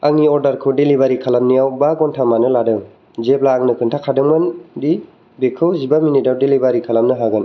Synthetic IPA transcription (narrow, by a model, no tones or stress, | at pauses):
aŋiɔɾdaɾkʰɯdelibaɾikʰalamnijawbaɡɔntʰamanɯladɯŋ | zeplaːŋnɯkʰɯntʰakʰadɯŋmɯndi | bekʰɯwzibaminidawdelibaɾikʰalamnɯɦaɡɯn